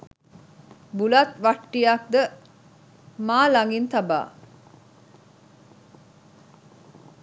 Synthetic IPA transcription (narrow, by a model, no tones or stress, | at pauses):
bulat̪ʋaʈːijak̚d̪ə | maːlaŋɡint̪aba̰ː